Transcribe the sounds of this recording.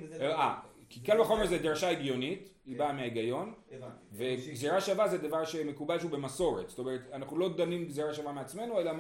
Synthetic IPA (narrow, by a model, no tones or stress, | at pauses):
a | kikalbaχo̞meʁzed̪ʁʃaiɡjo̞nit | ibameaiɡajo̞nve̞ɡzeʁaʃavazed̪avaʁʃe̞me̞kubalʃeube̞maso̞ʁetst̪o̞meʁet̪anaχnulo̞d̪animɡzeʁaʃavameat͡sme̞nue̞la